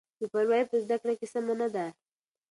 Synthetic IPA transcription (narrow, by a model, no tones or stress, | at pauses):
dupaɾwajpəzd̪akɽakesamanad̪a